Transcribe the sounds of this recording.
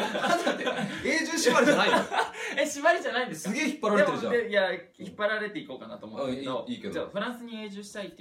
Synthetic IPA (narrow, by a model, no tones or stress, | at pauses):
ankat̪ːeeːʑɨːɕimaɾeanaieɕimaɾeʑanaĩnd̪esɨksɨɡe̞ːçi̥pːaɾaɾeeɾɯãd̪eja | çipːaɾaɾe̞t̪e̞iko̞ːkana̰t̪o̞ːmoed̪oiːked̪ozaɸɯ̟ɾãɰ̃sɨɲ̟ie̞ːʑɨːɕi̥t̪ait̪ːe